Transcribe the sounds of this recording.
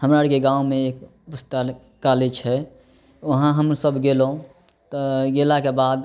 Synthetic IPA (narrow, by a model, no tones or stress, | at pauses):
həmɾaɾkeɡãumẽeːk | bəst̪a | kaled͡ʒɦɛ | ʋəɦãɦəmsəbɡelũ | t̪ɡelakebaːd̪